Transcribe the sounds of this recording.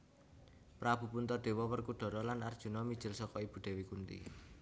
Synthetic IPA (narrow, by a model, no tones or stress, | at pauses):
pɾab̥ṳpunt̪ɔɖ̪̥e̤wɔwərkuɖ̥ɔ̤ɾɔlanard̥ʒ̥ṳnɔmid̥ʒ̥ɪ̤lsɔkɔib̥ṳd̪̥e̤wikunt̪ḭ